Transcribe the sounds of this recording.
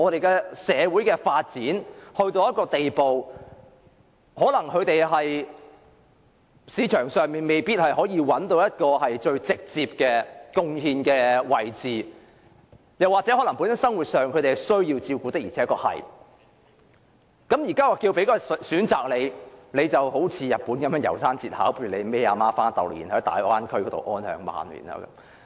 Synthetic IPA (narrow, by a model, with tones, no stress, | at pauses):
ŋɔː˨˧ɾe˨jkɛ˧sɛː˨˧wuː˨˥jkɛː˧faː˧t̚t͡siː˨˥nhɵ˧ɥt̪o˧wjɐ˥t̚kɔː˧t̪e˨jpo˨w | hɔː˨˥lɐ˨˩ŋkʰɵ˨˧ɥt̪e˨jɦɐ˨j | siː˨˧˥t͡ʃʰœː˨˩ŋsœː˨ŋmiː˨nme˨jpiː˥t̚hɐ˨jhɔː˨˥jiː˧wɐ˨˥nt̪o˧wjɐ˥t̚kɔː˧ɦɐ˨jt͡ʃɵ˧ɥt͡sɪ˨k̚t͡siː˧p̚kɛː˧kʊ˥ŋhiː˧nkɛː˧wɐ˨˩jt͡siː˨˩ | jɐ˨wːaː˨k̚t͡sɛ˨˥ɔ˨˥lɐ˨˩ŋpu˨˥nsɐ˨˥sɐ˥ŋwuː˨t̚sœː˨ŋkʰɵ˨˧t̪e˨hɐ˨jsɵ˥ɥjiː˧wt͡siː˧wkuː˧t̪e˥k̚i˨˩˨kɔː˧hɐ̰˨j | kɐ˨˥mjiː˨˩kaː˥wɔː˨˩kiː˧wpe˨˥jkɔː˧˨syː˨˥nt͡saː˨k̚le˨˧jle˨˧jt͡sɐ˨who˨˥wt͡sʰiː˨˧jɐ˨t̚puː˨˥nkɐ˨˥mjœː˨˧˥jɐ̰˨˩wsaː˥nt͡siː˨t̚haː˨˥wpʰyː˨˩˨le˨˧me˥aː˧maː˥faː˥nt̪ɐ̰˨wjḭː˨˩nhɐ˨˥t̪a̰ː˨˥jwaː˥nkʰɵ˥kɔː˨˧˥t̪o̰˨wʔɔː˥nhœ̰ː˨˩ŋma̰ː˨nmḭː˨˩na̰ː˧kɐ̰˧